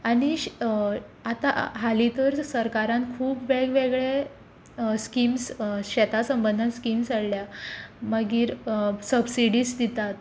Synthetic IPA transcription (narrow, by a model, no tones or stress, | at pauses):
aɽ̃iɕ | at̪aɦalit̪əɾsəɾkaɾãnkʰuːpʋeɭɡʋeɡɭe | skimsɕɛt̪asəmbənd̪ʱanskimsaɽljaməɡiːɾsəbsiɽiːsd̪it̪at̪